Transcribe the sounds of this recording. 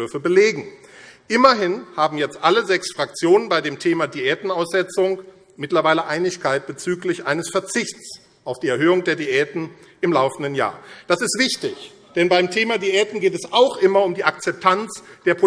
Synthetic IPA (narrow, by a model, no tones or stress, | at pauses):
ʏɐfəbəleːɡŋ̩ʔɪmɐɦɪnhaːbm̩jɛt͡stʔaləzɛksfʁ̥ak̚t͡sjoːnənbaɪdeːmtʰeːmadiɛːtn̩aʊsz̥ɛt͡sʊŋ | mɪtlɐvaɪləʔaɪnɪçkʰaɪt̚b̥ət͡syːklɪçʔaɪnəsfɛɐt͡sɪçt͡s | ʔaʊfd̥iːɛɐɦøːʊŋdeːɐdiʔɛːtn̩ʔɪmlaʊfn̩dənja̰ːɐd̥asɪstv̥ɪçtɪç | d̥ɛnbaɪmtʰeːmadiʔɛːtn̩ɡeːtɛsaʊxʔɪmɐʊmdiːʔak̚t͡sɛp̚tʰant͡sd̥eːɐpʰo